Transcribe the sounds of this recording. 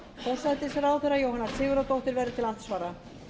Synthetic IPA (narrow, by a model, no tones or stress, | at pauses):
θɛsːaɛt̪ɪsɛɾaːwθɛɾajoːwhanːasʰɪːɣʏɾat̪owht̪ɪɾvɛɾðʏt̪ʰɪlant̪svaːɾa